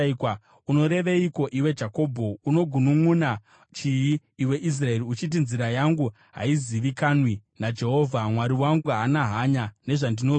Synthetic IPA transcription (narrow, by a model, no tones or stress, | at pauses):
kwa | uno̞ɾe̞ʋeiko̞ʔiwe̞d͡ʒako̞ːbʱo̞uno̞ɡʱunumuna | t͡ʃijiː | we̞ʔis̬rae̞ɾiut͡ʃit̬inziɾajaŋɡu | ɦa̰iziʋikaːnwinad͡ʒe̞ɦo̞vʱamwaɾiwaŋɡuɦanaɦaɲane̞ʐandino